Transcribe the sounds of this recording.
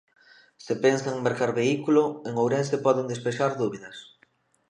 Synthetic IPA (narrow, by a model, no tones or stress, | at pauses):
sɪpensaŋmeɾkaɾβeikulʊeŋowɾɛnsepɔðend̪espeʃaɾðuβiðɐs